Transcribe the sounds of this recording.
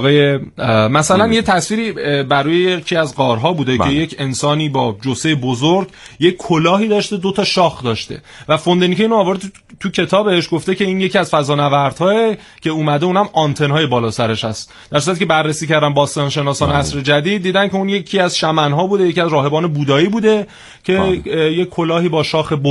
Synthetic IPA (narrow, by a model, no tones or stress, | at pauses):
ɣɒːjemæsælænje̞t̪ʰæsviːɾiːbæɾuːjejecʰiæzɡɒːɾɦɒːbuːd̪e̞e̞je̞cʰe̞nsɒːniːbɒːd͡ʒosejebozoɾɡje̞ckʰːolɒːɦiːd̪ɒːʃt̪e̞d̪o̞t̪ʰɒːʃɒːxd̪ɒːʃt̪e̞̰ | væfo̞nd̪enicʰeiːnoɒːvɒːɾed̪ | t̪ʰucʰe̞t̪ʰɒːbeʃɡo̞ft̪ece̞iːnje̞cʰiæz̥fæzɒːnævæɾd̪̥hɒːe | cʰe̞uːmæd̪e̞uːnæmɒnt̪ʰe̞nhɒːje̞bɒːlɒːsæɾeʃhæst̪ | d̪̥æɾsuɾæt̪icʰebærːesiːcʰæɾd̪æmbɒːst̪ɒnʃe̞nɒːsɒːneæsɾe̞d͡ʒæd̪iːd̪̚ːiːd̪æncʰe̞unje̞cʰiːæzʃæmænɦɒːbuːd̪e̞jecʰiæzɾɒːɦe̞bɒːne̞buːd̪ɒːiːbuːd̪e̞ | cʰe̞je̞kʲʰːo̞lɒːhiːbɒːʃɒːxe̞bo